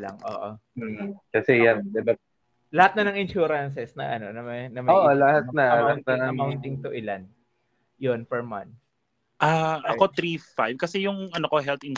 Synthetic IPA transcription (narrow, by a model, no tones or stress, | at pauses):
la̰ŋʔo̰ːʔo̰ | kɐsɛjand̪ɛba | lɐhat̪̚nɐnɐŋɪnʃuɾɐns̬ɛsnɐ̰ʔɐno̞nɐmɐnɐmɐoːʔolɐhat̪̚nɐlɐhat̪nɐnɐawnt̪ɪŋt̪ʊʔɪlan | jonpɛɹmɐ̰n | ʔaːʔɐko̞t̪ɾifajvkɐsɛjʊŋʔɐnoko̞ɦɛlt̪ɪn